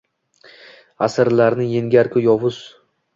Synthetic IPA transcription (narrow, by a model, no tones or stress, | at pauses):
asɪɾlaɾnɪjeŋɡʲaɾkʲʰʊjɒvʊz̥